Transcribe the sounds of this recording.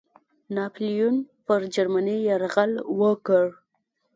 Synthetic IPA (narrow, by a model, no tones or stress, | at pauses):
nɑplijunpəɾd͡ʒaɾmanijaɾɣalwəkəɽ